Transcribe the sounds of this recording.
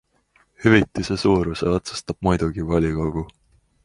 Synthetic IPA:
hyvit̪ːˑisesuːɾuseot̪su̥st̪ɑb̥̚mujd̪̥uɡ̥ivɑlʲiɡ̥ɑwɡ̥u

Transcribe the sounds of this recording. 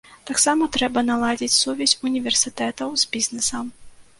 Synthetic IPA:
t̪aksamɐt̪ɾɛbɐnalˠad͡zʲit͡sʲsuvʲɛsʲunʲivʲɛrsʲɨt̪ɛt̪ɐwz̥ʲbʲiznɛsɐm

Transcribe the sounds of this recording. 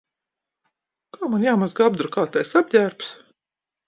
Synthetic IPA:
kaːmanjaːmazɡab̚d̪ɾukaːt̪ajsab̚ɟʲæːɾps

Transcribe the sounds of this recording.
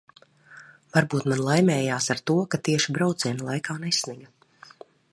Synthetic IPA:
vaɾbuːt̪manlˠajmʲɛːjaːsaɾt̪uɔkat̪iɛʃibɾawt̪siɛnlˠajkaːnɛsʲniɡa

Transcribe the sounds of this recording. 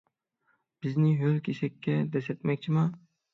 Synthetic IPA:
b̥ɪznɪɦølkʲʰesɛkʲːɛd̪ɛsɛt̪mɛk̚ʲt͡ʃʰimɑ

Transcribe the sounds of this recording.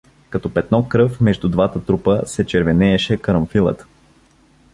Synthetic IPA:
kɐt̪ɔpɛt̪nɔkːɾɤfmɛʒd̪ud̪vat̪ət̪ɾupəsɛt͡ʃɛɾvɛnɛːʃɛkəɾəmfilˠə̰t̪

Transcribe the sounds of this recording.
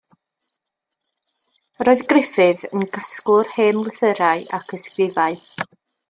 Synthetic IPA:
roːɨðɡrɪfɨðənɡaskʊrheːmwəθəɾaɨʔa̰kʰəskrɪvaɨ

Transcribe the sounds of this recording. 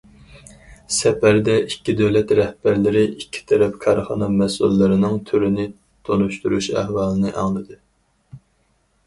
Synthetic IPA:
sɛpæɾd̪ɛʔikʲːid̪øwlɛt̪ɾɛhbæɾlɪɾɪʔikʲʰːi̥t̪ʰɛɾɛpkʰɑɾχɑ̰nɑmɛsṵlːɨɾɪnɨŋt̪ʰyɾɪnɪ | t̪ʰonuʃt̪uɾuʃæ̰hwɑːlˠɨnɨʔɑŋlˠɨd̪ɨ

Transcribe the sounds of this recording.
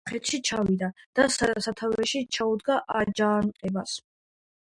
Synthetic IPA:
χɛt̪ʰʃit͡ʃʰavid̪ad̪̥assat̪ʰavɛʃit͡ʃʰaud̪ɡaʔad͡ʒaːnqʼɛbas

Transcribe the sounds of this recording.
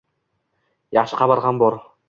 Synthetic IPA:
jɑχʃɨqʰɑbɑɾʁɑnboɾ

